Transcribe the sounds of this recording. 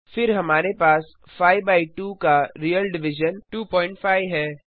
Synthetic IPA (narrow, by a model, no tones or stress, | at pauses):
fɪɾɦɐmaːɾepaːs | faːibaːɪʈuːkaɾiːjəlɖɪʋɪʒənʈuːpɔːɪ̃ɳʈfaːɪʋɦɛː